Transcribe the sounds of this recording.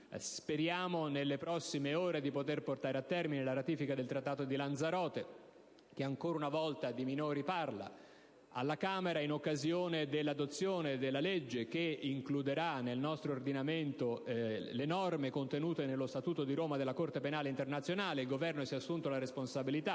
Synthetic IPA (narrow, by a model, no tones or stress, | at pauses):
sspeɾjaːmonelːepɾɔsːimeoːɾed̪ipot̪erport̪aːɾeat̪ːɛrminelaɾat̪iːfikad̪elt̪ɾat̪ːaːt̪od̪iland̪zaɾɔːt̪e | k̟eaŋkoːɾaunavɔlt̪ad̪iminoːɾiparla̰ | a̰lːakaːmeɾainokːazjoːned̪elːad̪ot̪sːjoːned̪elːaled͡ʒːek̟eiŋklud̪eɾanːelnɔst̪ɾoːrd̪inament̪olenɔrmekont̪enuːt̪enelːost̪at̪uːt̪od̪iɾoːmad̪elːakort̪epenaːleint̪ernat̪sːjonaːleilɡovɛrnosiɛasːunt̪olaɾesponsabilit̪a